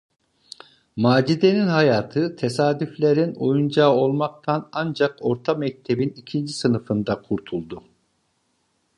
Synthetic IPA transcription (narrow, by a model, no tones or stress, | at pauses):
maːd͡ʒid̪e̞ninhajaːt̪ʰɯt̪ʰesaːd̪yflʲe̞ɾino̞̰jund͡ʒaːo̞lˠmak̚t̪ʰanand͡ʒako̞ɾt̪ʰamɛc̚t̪ʰe̞binicʰind͡ʒisɯnɯfɯnd̪akʰuɾt̪ʰulˠd̪u